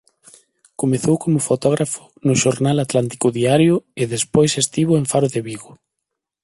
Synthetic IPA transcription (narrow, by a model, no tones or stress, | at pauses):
komeθowkomʊfot̪ɔɣɾʔafʊ̥ | nʊʃoɾnalat̪lant̪i̥kʊðiaɾjʊeðespojsest̪iβʊeɱfaɾʊðeβiɣʊ